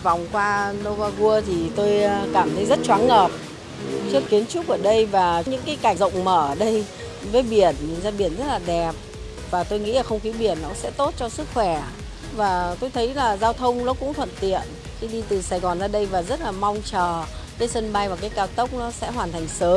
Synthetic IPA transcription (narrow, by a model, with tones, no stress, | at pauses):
va˨˩wŋ͡mkwaː˧no˧vaː˧ɣu˧ət̪ʰi˨˩t̪o˧jkaː˧˩mt̪ʰə˨˦jzə˦˥t̚t͡ɕwaː˨˦ŋŋəː˨˩p̚ | t͡ɕɨ˦˥əkːi˨˦ənt͡ɕʊ˦˥k͡p̚ʔəː˧˩ɗə˧jvaː˨˩˦ɲɨ̰˧˥ŋkaː˨˦jka˧˩zə̰˧˨wŋ͡mməː˧˩ʔəː˧˩ɗə˧j | vəː˨˦jɓi˧˩ənɲɨ˨˩nzaː˧ɓi˧˩ənzə˦˥t̚laː˨˩ɗɛ˨˩p̚ | vaː˨˩t̪o˧jŋḭ˧˥laː˨˩xə˧wŋ͡mxi˨˦ɓi˧˩ənːɔ˨˦sɛ̰˧˥t̪o˦˥t̚t͡ɕɔ˧sɨ˦˥k̚xwɛ˧˩ | vaː˨˩t̪o˧jt̪ʰə˨˦jlaː˨˩zaː˧wt̪ʰə˧wŋ͡mnɔ˨˦kʊ̰˧˥ŋ͡mt̪ʰwə̰˧˨nt̪ḭ˧˨ən | xi˧ɗi˧t̪ɨ˨˩saː˧jɣɔ˨˩nzaː˧ɗə˧jvaː˨˩zə˦˥t̚laː˨˩ma˧wŋ͡mt͡ɕəː˨˩ | kaː˨˦jsə˧nɓa˧jvaː˨˩kaː˨˦jkaː˧wt̪ə˦˥wk͡p̚nɔ˨˦sɛ̰˧˥ɦwaː˨˩nt̪ʰa˨˩ŋ̟səː˨˦m